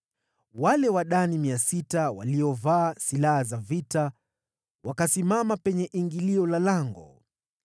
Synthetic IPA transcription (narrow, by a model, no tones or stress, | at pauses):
walɛwaɗanimiasitawa̰liɔvaːsilahazavita | wakasimamapɛɲɛʔiŋɡiliɔlalaŋɡɔ̰